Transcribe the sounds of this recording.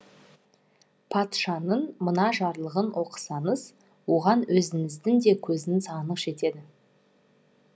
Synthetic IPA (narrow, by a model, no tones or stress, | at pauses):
pʰɑt̪ʃɑnəɴmənɑʒɑɾlˠəʁənwʔo̞qə̥sɑnəz | wo̞ʁɑnwɵzɪŋɪzd̪ɪŋd̪e̞kʲʰɵzɪnsɑnəqʃe̞t̪e̞d̪ɪ